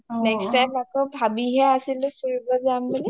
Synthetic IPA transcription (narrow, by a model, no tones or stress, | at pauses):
nɛkstajmakobʱabiɦɛasilʊ̃fʰiɹibɔzambeli